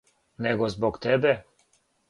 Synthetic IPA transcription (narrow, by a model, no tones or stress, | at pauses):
nɛɡɔzbɔkt̪ɛbɛ